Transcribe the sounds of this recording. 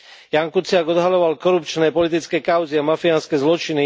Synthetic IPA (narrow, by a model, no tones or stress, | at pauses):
jaŋkut͡sɪaɡɔd̪ɦalɔʋalkɔɾupt͡ʃnɛːpɔlit̪it͡skɛːkaʊziamafianskɛzlɔt͡ʃini